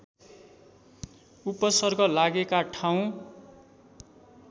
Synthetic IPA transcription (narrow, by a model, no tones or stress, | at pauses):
upːʌsʌrɡʌlaɡekaʈʰaw̃